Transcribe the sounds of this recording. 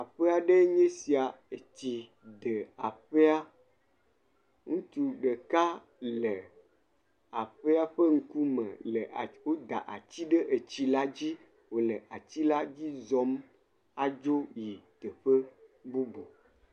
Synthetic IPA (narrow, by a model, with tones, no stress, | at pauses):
a˨ɸe˦a˨ɖe˦ɲẽ˦si˨a˨e˨t̪i˨ | d̪e˨a˨ɸe˦a˦ | ŋũ˦t͡ʃu˨ɖe˨ka˦ | le˨ | a˨ɸe˦a˦ɸe˦ŋ̩˦ku˦mḛ̃˨lə˨wo˦d̪a̰˨ʔa̰˨t͡ɕi˦ɖe˦ʔe˨t͡ɕi˦la˦d͡ʑi˦ | wo˨lə˨ʔa˨t͡ɕi˦la˦d͡ʑi˦zɔ˦m | a˦d͡ʒo˦ji˨t̪e˨ɸə˦bo˦bo˨